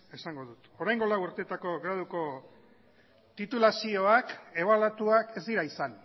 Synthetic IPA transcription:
esaŋɡo̞ðut̪o̞ɾajŋɡolawuɾt̪et̪ako̞ɣɾaðuko̞ | t̪it̪ulasio̞ake̞βalat̪uake̞zd̪iɾaisan

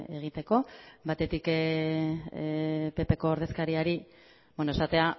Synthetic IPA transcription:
eɣ̞it̪e̞ko̞bat̪e̞t̪ik | pe̞pe̞ko̞ːɾð̞e̞skaɾiaɾi | benoesat̪e̞a

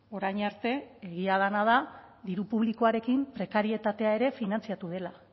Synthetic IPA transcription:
o̞ɾajɲaɾt̪e̞eɣ̞iað̞anað̞aðiɾupuβliko̞aɾe̞kimpɾe̞kaɾie̞t̪at̪e̞ae̞ɾe̞finant͡siat̪uð̞e̞la

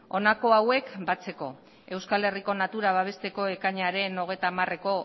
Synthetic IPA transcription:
o̞nako̞awe̞kbat͡se̞ko̞̰ | e̞wskale̞riko̞nat̪uɾaβaβ̞e̞st̪e̞ko̞e̞kaɲaɾe̞no̞ɣ̞e̞t̪amare̞ko̞

